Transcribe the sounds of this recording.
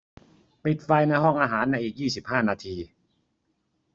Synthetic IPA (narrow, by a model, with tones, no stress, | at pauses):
pi˨˩t̪̚fa˧jna˧jɦɔ˥˩ŋʔaː˧ɦaː˩˦nːa˧jʔiː˨˩k̚jiː˥˩si˨˩p̚haː˥˩naː˧t̪ʰiː˧